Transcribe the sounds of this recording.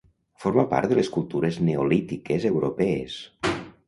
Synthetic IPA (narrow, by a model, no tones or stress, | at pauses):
foɾmapa̰ɾt̪d̪əleskulˠt̪uɾezneolit̪ikezewɾopɛes